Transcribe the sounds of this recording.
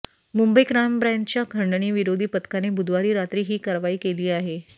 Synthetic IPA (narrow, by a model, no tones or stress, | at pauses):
mumbəikɾambɾãnt͡ɕjakʰəɳɖəɳ̃iːʋiɾod̪ʱiːpət̪kanebud̪ʱʋaɾiːɾat̪ɾiːɦiːkaɾʋaiːkeliːaɦe